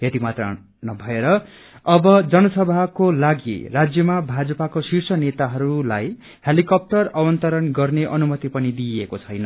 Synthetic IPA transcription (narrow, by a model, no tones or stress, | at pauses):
jet̪imat̪ra̰ | nʌbʱʌeɾʌ | ʌbʌd͡zʌnʌsʌbʱakolaɡḭrad͡zjʌmabʱad͡zʌpakosirsʌnet̪aɦʌɾulaj | helikʌp̚ʈʌrawʌnt̪ʌɾʌnɡʌrneʔʌnumʌt̪ipʌnid̪iekot͡sʰʌjnʌ